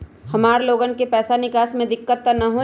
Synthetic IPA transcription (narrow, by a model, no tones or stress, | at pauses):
hɐmaːɾloːɡənkepɛːsanɪkaːsmẽd̪ɪkːət̪ːənɐɦo